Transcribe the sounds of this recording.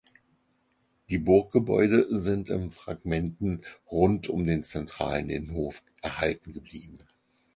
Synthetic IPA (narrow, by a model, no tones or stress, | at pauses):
d̥iːbʊɐk̚ɡ̥əbɔ̰ʏdəzɪntɪ̰mfʁ̥a̰ɡmɛntn̩ʁʊntʰʊmdeːnt͡sɛntʁ̥a̰ːlənɪ̰nhoːf | ʔɛɐhaltn̩ɡəbliːbm̩